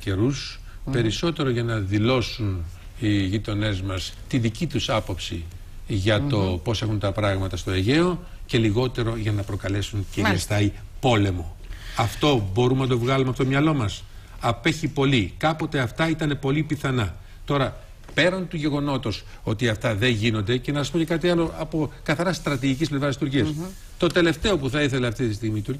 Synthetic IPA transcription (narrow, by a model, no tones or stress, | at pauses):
ceɾus | pe̞ɾiso̞t̪e̞ɾo̞ʝɐnɐðilo̞sun | iʝit̪o̞ne̞zmɐst̪inðicit̪usɐpo̞psi | ʝɐt̪o̞po̞se̞xunt̪ɐpɾɐɣmɐt̪ɐst̪o̞eʝe̞o̞ | ce̞liɣo̞t̪e̞ɾo̞ʝɐnɐpɾo̞kɐle̞sunceest̪ɐipo̞le̞mo̞ | ɐft̪o̞bo̞ɾumenɐd̪ovɣɐlumeɐpot̪omɲɐlo̞mɐs | ɐpe̞çipo̞likɐpo̞t̪e̞ɐft̪ɐit̪ɐne̞po̞lipiθɐnɐ | t̪o̞ɾɐ | pe̞ɾɐnt̪uʝe̞ɣo̞no̞t̪o̞s | o̞t̪iɐft̪ɐðe̞ʝino̞nd̪e̞ce̞nɐsɐspocekɐt̪iɐlo̞ʔɐpo̞kɐθɐɾɐst̪ɾɐt̪̬iʝicisplevɾɐsist̪uɾciɐs | t̪o̞t̪e̞le̞ft̪e̞o̞puθɐiθe̞leɐft̪it̪t̪ist̪iɣmiːt̪uɾ